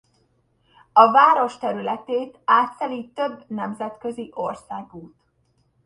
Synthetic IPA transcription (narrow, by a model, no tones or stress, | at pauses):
ɒvaːɾo̞ʃt̪ɛɾylɛt̪eːt̪aːt̪sɛliːt̪ːø̞bːnɛmzɛt̪kø̞ziʔo̞rsaːɡuːt̪